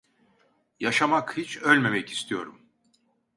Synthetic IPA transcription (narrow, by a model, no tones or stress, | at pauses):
jaʃamakhit͡ʃʰølʲme̞mɛci̥st̪ʰijo̞̰ɾum